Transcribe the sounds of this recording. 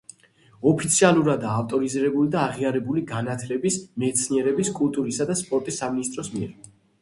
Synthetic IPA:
ɔpʰit̪sʰialˠuɾad̪aːft̪ʼɔɾiziɾɛbulid̪aːʁiaɾɛbuliɡanat̪ʰlɛbismɛt̪sʰniɛɾɛbiskʼulˠt̪ʼuɾisad̪aspʼɔɾt̪ʼisaminist̪ʼɾɔsmiɛ̰ɾ

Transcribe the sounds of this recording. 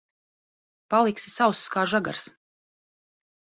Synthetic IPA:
palˠiksisawsskaːʒaɡa̰ɾs

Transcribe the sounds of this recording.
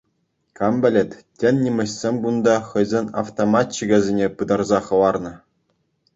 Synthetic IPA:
kɑmbʲɘ̆lʲɘ̆tʲtʲːenʲːimʲɘ̆ɕʲsʲemʲbund̪ɑχɤ̆jzʲenʲɑ̰ft̪omɑtɕiɡʲɑzʲenʲepɯd̪ɑrzɑχɤ̆ʋˠɑrnɤ̆

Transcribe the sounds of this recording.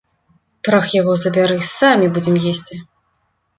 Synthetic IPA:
pɾaxjaɣɔzɐbʲaɾɨsamʲibud͡zʲɛmjesʲt͡sʲi

